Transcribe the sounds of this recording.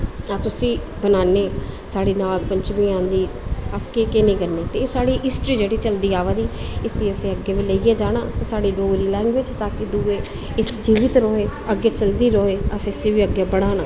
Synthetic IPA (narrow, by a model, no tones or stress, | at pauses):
əsʊsiːbənaːneːsaːɽiːnaːɡpəɲt͡ʃmĩːãːnd̪iːəskeːkɪnẽːkəɾneːt̪eːsaːɽiːʔɪsʈɾiːd͡ʒeːɽiːt͡ʃəld̪iːaːʋaːd̪iːɪsiːəsẽːəɡːeːʋiːləiɡeːd͡ʒaːɽaːt̪eːsaːɽiːloːɾiːlɛ̃ːŋɡʋɪd͡ʒt̪aːkɪd̪ueː | ɪsd͡ʒiːʋɪt̪ɾoːeːəɡːeːt͡ʃəld̪iːɾoːeːəsɪsẽːʋiːəɡeːbəɽ̃aːnaː